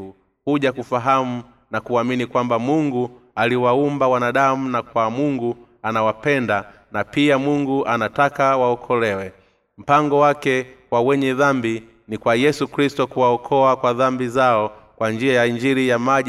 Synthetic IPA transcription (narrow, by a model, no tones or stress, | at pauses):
u | huʄakufaɦamu | nakuaminikwambamuŋɡualiwaumbawanaɗamunakwamuŋɡu | anawapɛnda | napiamuŋɡuʔanatakawaɔkʰɔlɛwɛ | m̩paŋɡɔwakɛkwawɛɲɛðambi | nikwajɛsukɾistɔkuwaɔkʰɔakwaðambizaɔkwand͡ʒiajaiɲd͡ʒiɾijama